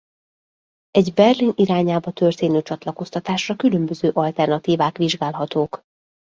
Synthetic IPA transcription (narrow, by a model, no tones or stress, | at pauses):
ɛɟbɛrliniɾaːɲaːbɒt̪ørt̪eːnøːt͡ʃɒt̪lɒko̞st̪ɒt̪aːʃrɒkylømbøzøːʔɒlt̪ɛrnɒt̪iːvaːkʋiʒɡaːlɦɒt̪oːk